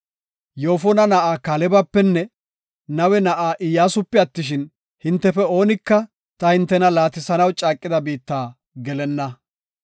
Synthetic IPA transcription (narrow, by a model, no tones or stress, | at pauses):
jo̞ːfɔnɐnɐʔaːkalɛbɐpːɛnːɛ | nɐwɛnɐʔaːʔɪjaːsʊpːɛɐt̪ːɪʃ̬ɪn | hɪnt̪ːɛfɛo̞ːnɪkːɐ | t̪ɐhɪnt̪ːɛnɐlaːt̪ɪsɐnɐwt͡ʃʼaːkʼːɪd̪ɐbiːt̪ːaː | ɡɛlɛnːɐ